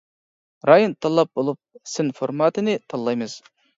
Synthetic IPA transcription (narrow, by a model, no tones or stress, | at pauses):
ɾʔɑjont̪ʰɑlˠːɑp̚bolˠup̚sɪnfoɾmɑt̪ɨnɪt̪ʰɑlˠːɑjmɨz̥